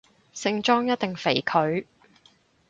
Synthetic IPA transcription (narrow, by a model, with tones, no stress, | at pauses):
sɪ˧ŋt͡ʃɔː˥ŋjɐ˥t̪̚e˨ŋfe˨˩jkʰɵ˨˧ɥ